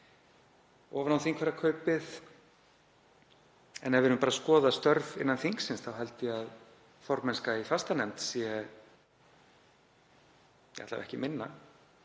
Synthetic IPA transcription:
ɔːvanawθiŋkʰvɛɾakʰœɥpɪð | ɛnavɪɾnːʏmpaːɾaskɔːðast̪œɾvɪ̰nːanθiŋksɪnsθawɦɛlt̪ɪað | fɔɾmɛnskaifast̪anɛmt̪siɛ | jḁ̰t̪la̰vɛ̰hcɪmɪnːa

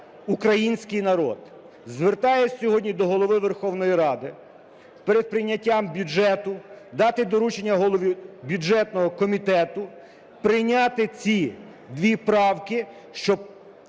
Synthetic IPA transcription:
ukɾɐjinʲsʲkɪjnɐɾɔ̰d̪ | zʋert̪ɑjesʲsʲɔɦɔdʲnʲid̪ɔɦɔlˠɔʋɪʋerxɔwnɔjiɾɑd̪ɪ | peɾed̪̚pɾɪjnʲːɐtʲːambʲjud͡ʒɛt̪ʊd̪ɑt̪ɪd̪ɔɾut͡ʃenʲːɐɦɔlˠɔʋʲibʲjud͡ʒɛt̪nɔɦɔkɔmʲit̪ɛt̪ʊ | pɾɪjnʲɑt̪ɪt͡sʲi | d̪ʋʲipɾɑwkɪ | ʃt͡ʃɔb̚

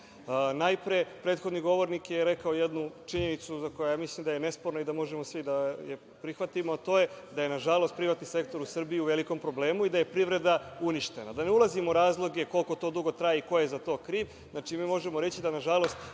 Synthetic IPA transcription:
najpɾepɾet̪xod̪niɡo̞ʋo̞ɾnikjeɾe̞kaojed̪nut͡ʂiɲe̞nit̪suzakojajamislˠimd̪ajene̞spo̞ɾnoid̪amo̞ʒemo̞sʋid̪aje | pɾixʋat̪imoat̪o̞ːje̞d̪aje̞naʒalo̞st̪̚pɾiʋat̪nise̞kt̪o̞ɾusr̩biiuʋe̞liko̞mpɾo̞ble̞ːmuid̪aje̞pɾiʋɾe̞d̪auniʃt̪e̞nad̪aneulˠazimouɾaːzlˠo̞ɡe̞ko̞lko̞t̪o̞ːd̪uɡo̞t̪ɾajiiko̞jezat̪o̞ːkɾiːʋ | znat͡ʂimiːmo̞ʒemoɾe̞t͡ɕid̪anaʒalo̞st̪

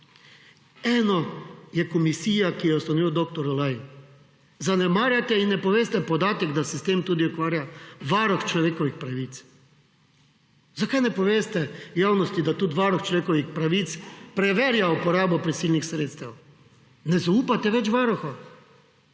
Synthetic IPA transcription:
ɛːnɔjɛkɔmisiːjakijɛɔst̪anɔʋiːwd̪ok̚t̪ɔɾɔlaːji | zanɛmaːɾjat̪ɛinːɛpɔʋeːst̪ɛpɔd̪aːt̪ɛɡd̪asɛst̪eːmt̪uːd̪iukʋaːɾjaʋaɾɔxt͡ʃlɔʋeːkɔʋixpɾaʋiːt̪s | zakajnɛpɔʋeːst̪ɛjaːwnɔst̪id̪at̪ut̪ʋaɾɔxt͡ʃlɔʋeːkɔʋixpɾaʋiːt̪spɾɛʋeɾjaupɔɾaːbɔpɾɛsiːlnixsɾeːt̪st̪ɛw | nɛzauːpat̪ɛʋɛt͡ʃʋaːɾɔxɔ

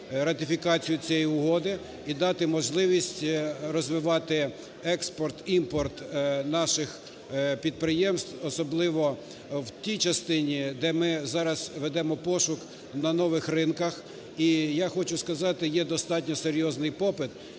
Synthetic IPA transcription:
ɾɐt̪ʲɪfʲikɑt͡sʲijʊt͡sʲjɛjiʊɦɔd̪ɪ | id̪ɑt̪ɪmɔʒlˠɪʋʲisʲtʲrɔzʋɪʋɑt̪ɪ | ɛkspɔrt̪impɔrt̪nɑʃɪx | pʲid̪̚pɾɪjɛmst̪ɔsɔblˠɪʋɔ | wt̪ʲijt͡ʃɐst̪ɪnʲid̪ɛmɪzɑɾɐzʋɛd̪ɛmɔpɔʃʊk | nɐnɔʋɪxrɪnkɐx | ijaxɔt͡ʃʊskɐzɑt̪ɪjɛd̪ɔst̪ɑtʲnʲɔseɾʲjɔznɪjpɔpɪt̪

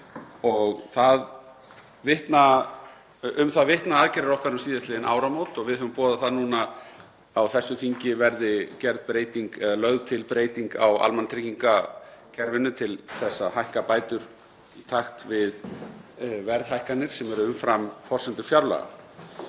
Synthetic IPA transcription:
ɔɣθað | vɪht̪na | ʏmθaðvɪht̪naaːðcɛɾɪɾɔhkvaɾʏmsiːðast̪lɪːðɪna̰ːwɾamoːwt̪ɔɣvɪðhʏvʏmpɔːðaθaðnuːna | awθɛsːʏθiɲcɪvɛɾðɪcɛɾðpɾeːjt̪iŋkɛðalœɣðt̪ʰɪlpɾeːjt̪iŋka̰wa̰lmant̪ʰɾiciŋkacʰɛɾvɪnːʏt̪ʰɪlθɛsːahajhkapaːjt̪ʏɾ̥ | it̪ʰaxt̪vɪð | vɛɾðhajhkanːɪɾ̥sɛmɛɾʏʏmfɾamfɔr̥sɛnt̪ʏ̥fjaɾla̰ɣa̰

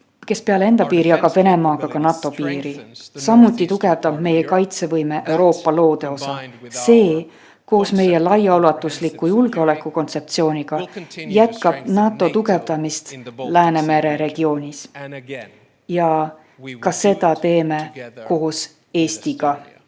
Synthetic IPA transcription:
ke̞spe̞ɑlee̞nd̪̥ɑpiːɾijɑɡɑb̥ve̞ne̞mɑːɡ̥ɑkɑnɑt̪ːˑo̞piːɾisɑmut̪ːˑit̪uɡ̥e̞vd̪ɑb̥me̞jekɑjt̪se̞vɤjme̞ʔewɾo̞ːpːˑɑlo̞ːd̪̥e̞o̞sɑse̞ː | ko̞ːsme̞je̞lɑjɑolɑt̪ːˑuslikːˑujulɡ̥e̞o̞lekˑːuko̞nt̪se̞p̚t̪sio̞ːnʲiɡ̥ɑjæt̪kɑb̥nɑːt̪ːˑo̞t̪uɡ̥e̞vd̪̥ɑmist̪læːne̞me̞ɾe̞ɾe̞ɡ̥io̞ːnʲis | jɑ | kɑse̞d̪̥ɑt̪e̞ːme̞ko̞ːs | e̞ːst̪iɡ̥ɑ

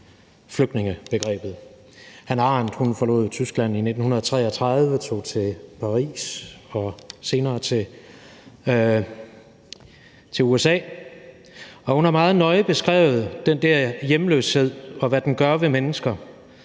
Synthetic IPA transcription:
fløɡ̥d̥ne̝ŋəb̥e̝ɡ̥ʁɛ̰ːb̥ð̞̩ˠ | hænɑ̈nd̥hunfɒ̽lo̰̽ːð̩ˠt͡sʰysɡ̥læn̰ine̝d̥n̩hunɐðˠɒt͡sʰʁɛ̰ːɒt͡sʰʁɑðˠʋət͡sʰo̝̰ːt͡sʰe̝pʰɑ̈ʁḭːsɒ̽se̝ːnɐːt͡sʰe̝ | t͡sʰe̝luesɛ̰ː | ɒ̽hunhɑ̈mɑ̈ːð̞̩ˠnɒ̽ɪb̥e̝sɡ̥ʁɛ̰ːʊð̞̩ˠd̥end̥æɐ̰jeməlø̰ːshe̝ð̞̰ˠɒ̽ʋæd̥enɡ̥ɶɐʋe̝menəsɡ̥ɐ

